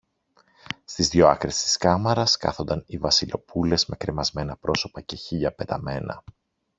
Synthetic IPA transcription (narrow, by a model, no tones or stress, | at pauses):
st̪izðʝo̞ɐkɾesi̥skɐmɐɾɐskɐ̰θo̞nd̪ɐnivɐsilo̞pule̞zme̞kɾe̞mɐzme̞nɐpɾo̞so̞pɐce̞çiʎɐpe̞t̪ɐme̞nɐ̰